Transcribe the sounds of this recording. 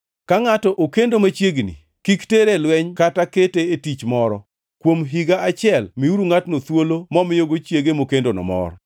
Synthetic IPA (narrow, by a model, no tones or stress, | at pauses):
kaŋatɔʔokendomat͡ʃjeɡnḭ | kikteɾelwɛɲkataketeetit͡ʃmɔɾɔ | kwomɦiɡaat͡ʃɪɛlmiuɾuŋatnot̪wolomɔmɪjoɡot͡ʃjeɡemokendonɔ̰mɔ̰ɾɔ